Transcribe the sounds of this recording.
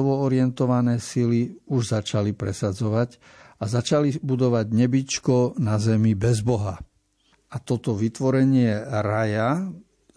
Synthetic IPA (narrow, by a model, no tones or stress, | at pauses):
ɔʋɔɔɾɪɛnt̪ɔʋanɛːsiliuʒzat͡ʃalipɾɛ̰sad͡zɔʋaɟ | azat͡ʃalibud̪ɔʋaɟɲɛbit͡ʃkɔnazɛmibɛzbɔɦa | at̪ɔt̪ɔʋit̪ʋɔɾɛɲɪɛɾaja